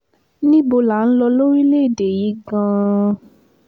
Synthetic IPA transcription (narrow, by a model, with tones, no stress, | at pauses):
nĩ˦bo˧la˨˦n̩˦lɔ˧lo˦ɾi˦le˦˨de˨ji˨˦ɡã˧